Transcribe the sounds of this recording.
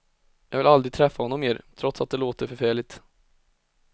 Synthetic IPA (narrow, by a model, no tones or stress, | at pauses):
jɑːɡvɪlald̪ɾɪɡ̚t̪ʰɾɛfːahɔnːɔmːeːɾt̪ʰɾɔt̪sat̪̚d̪ɛloːt̪əɾfœɾfæːɭɪt̪